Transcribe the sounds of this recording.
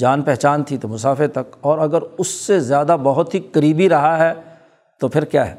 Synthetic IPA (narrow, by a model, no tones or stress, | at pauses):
d͡ʒaːnpɛɦt͡ʃaːnt̪ʰit̪omʊsaːfɪɾt̪ɐkɔːɾɐɡəɾʊsːezjaːd̪abɐɦʊt̪ɦikɐɾiːbiɾɐɦaɦɛ | t̪opʰɪɾkjaːɦɛ̰ː